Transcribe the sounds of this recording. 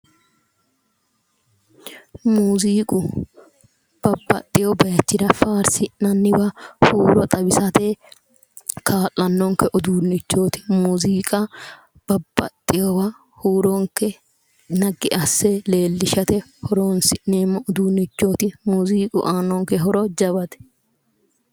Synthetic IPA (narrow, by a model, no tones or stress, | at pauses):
muːziːkʼʊ | b̥ɐbːɐ̰t̪ʼːɪjobɐjɛt̪ːɪd̪ɐfaːɾsɪnɐnːɪbɐhuːɾɔt̪ʼɐbɪsɐt̪ɛ | kʰaːlːɐnːɔŋkːɛʔɔd̪uːnːɪt͡ʃːo̞ːt̪ɪ̥muːziːkʼɐ | b̥ɐb̥ːɐ̰t̪ʼːɪjɔbɐ | huːɾɔŋkːɛ | nɐɡɪʔɐsːɛle̞ːlːɪʃɐt̪ɛhɔɾoːnsɪʔneːmːɐɔd̪uːnɪt͡ʃːo̞ːt̪ɪmuːziːkʼʊ̰ʔaːnɔŋkɛɦɔɾɔd͡ʒɐβɐt̪ɛ̥